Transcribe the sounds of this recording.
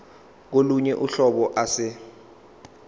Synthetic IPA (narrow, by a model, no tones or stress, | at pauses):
k̬oluɲɛʔuɬɔɓɔʔasɪ